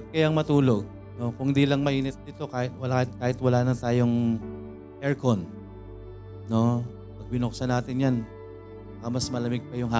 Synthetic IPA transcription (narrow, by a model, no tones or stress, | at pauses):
kɐjaŋmɐt̪uːlo̞ɡ̚ | no̞kʊŋhɪnd̪iːlɐŋmɐʔiːnɛt̪̚d̪it̪o̞kaːhɪt̪̚wɐlahɪt̪̚kaːhɪt̪wɐlaːnɐt̪aːjo̞ŋ | ʔɛɹkon | no̞ | pɐɡ̚bɪnoksɐnaːt̪ɪnjan | baːkɐmɐsmɐlɐmɪɡ̚pɐjʊŋɦa